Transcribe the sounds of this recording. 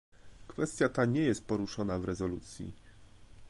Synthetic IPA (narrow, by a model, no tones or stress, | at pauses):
kfɛst̪ʲjat̪aɲɛjɛst̪̚pɔɾuʂɔnavɾɛzɔlut̪sʲjḭ